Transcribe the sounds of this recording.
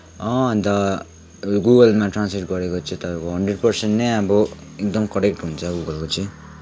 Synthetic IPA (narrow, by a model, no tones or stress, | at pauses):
ʌ̃ʌnt̪ʌ | ɡuɡʌlmaʈransmiʈɡʌɾekot͡sʰĩt̪ʌpãjkoɦʌɳɖreɖ̚pʌrsenʈnʌjʌbʌek̚d̪ʌmkʌɾek̚ʈɦunt͡sʰʌɡuɡʌlkot͡sʰĩ